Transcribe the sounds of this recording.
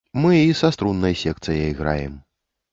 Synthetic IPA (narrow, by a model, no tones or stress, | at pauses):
mɨisast̪ɾunːɐjsʲɛk̚t̪sɨjɐjiɣɾa̰jɛm